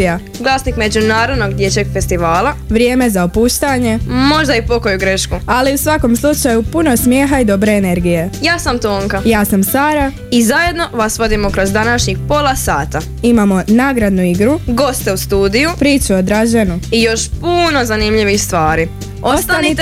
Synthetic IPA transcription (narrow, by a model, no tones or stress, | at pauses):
ija | ɡlˠaːsnikme̞d͡ʑunaːɾo̞d̪no̞ɡd̪jet͡ɕeɡfe̞st̪iʋaːlˠaʋɾjeːme̞zaopuːʃt̪aɲe̞mo̞ʒd̪aipo̞ko̞juɡɾe̞ʃkualiusʋako̞mslˠut͡ʃajupuno̞smje̞ːɦaid̪o̞bɾe̞ːne̞ɾɡije̞jaːsamt̪oːŋkajaːsamsaːɾa | izaje̞d̪no̞ʋasʋo̞d̪imokɾo̞zd̪anaʃɲixpo̞lˠasaːt̪a | imamo̞naːɡɾad̪nuiɡɾuɡo̞st̪eust̪uːd̪ijupɾiːt͡ʃuod̪ɾaʒenuijo̞ʃpuno̞zanimʎiʋixst̪ʋaːɾi | ost̪anit̪